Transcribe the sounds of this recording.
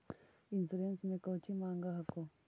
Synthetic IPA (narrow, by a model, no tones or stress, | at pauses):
inzuɾenzimekaocimaːŋɡahako